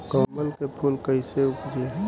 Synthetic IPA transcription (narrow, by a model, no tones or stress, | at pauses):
kɔməlkepʰuːlkəɪseʊpd͡ʒeɦɛ